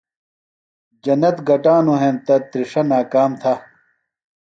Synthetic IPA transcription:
d͡ʑɐnːɐt̪ɡɐʈaːnuɦẽːnt̪ɐt̪ɾiʂɐnaːkaːmt̪ʰɐ

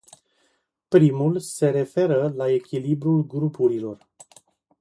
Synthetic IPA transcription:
pɾimulse̞ɾe̞fe̞ɾəlae̞kʲilibɾulɡɾupuɾilo̞r

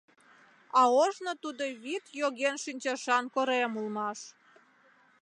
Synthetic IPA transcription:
ɑoʒnot̪ud̪oβit̪joɣenʃynʲt͡ɕɑʃɑnkoɾemulmɑʃ

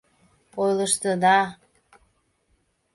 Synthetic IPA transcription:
ojləʃt̪əd̪ɑ

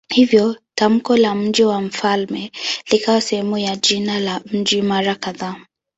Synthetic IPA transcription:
hivjɔtam̩kɔlam̩ʄiwam̩falmɛlikawasɛhɛmujaʄinalam̩ʄimaɾakaðaː

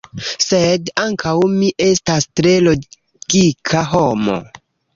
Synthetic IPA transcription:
sedaŋkawmiʔe̞stastɾe̞lo̞ | ɡ̥ikʰaɦo̞mo̞̰

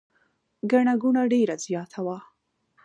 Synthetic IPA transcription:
ɡaɳaɡunaɖeɾazjɑt̪ʰawa

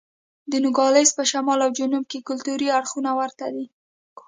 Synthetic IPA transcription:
d̪ənʊɡɑlespəʃamɑlawd͡ʒʊnumkekʊlt̪uɾiaɽxunawaɾt̪ad̪i

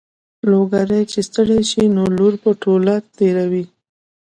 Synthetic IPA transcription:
loɡaɾet͡ʃest̪əɽeʃinoloɾpəʈolaɾt̪eɾawi

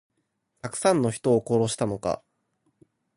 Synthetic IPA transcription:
t̪akɯ̟̥sãnːo̞çi̥t̪o̞ːko̞ɾo̞ɕi̥t̪ano̞ka̰

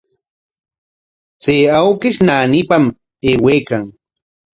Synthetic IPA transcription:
t͡seːawkɪʃnaːnipam | eːweːkaŋ

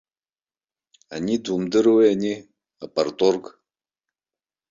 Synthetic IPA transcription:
anid̪umd̪ɨɾweani | apart̪ʼork

